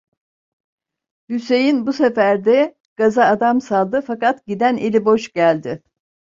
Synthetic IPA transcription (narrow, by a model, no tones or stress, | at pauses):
hyse̞jinbusefæɾd̪ɛ | ɡ̥azaːd̪amsalˠd̪ɯfakat̪ɟid̪ænelʲibo̞ʃɟ̥ælʲd̪ɪ